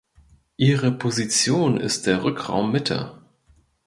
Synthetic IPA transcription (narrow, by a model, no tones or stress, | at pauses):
ʔiːʁəpʰozit͡sjoːnɪ̰st̚d̥eːɐʁʏkʁ̥a̰ʊmːɪtʰɐ̰